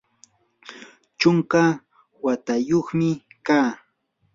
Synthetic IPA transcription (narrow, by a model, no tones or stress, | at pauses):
t͡ʃʊŋka | wat̪ajoχmɪkaː